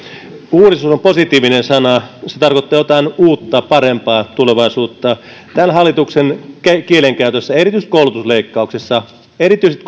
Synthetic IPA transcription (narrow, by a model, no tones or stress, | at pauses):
uːɾist̪usomposit̪iːʋinensɑnɑset̪ɑrkot̪ːɑːjot̪ɑinuːt̪ːɑpɑrempɑːt̪uleʋɑisuːt̪ːɑ | t̪ænɦɑlːˑit̪uksenkekieleŋkæyt̪øsːæerit̪yist̪koulut̪usleikːɑˑuksesːɑ | eɾit̪yiset̪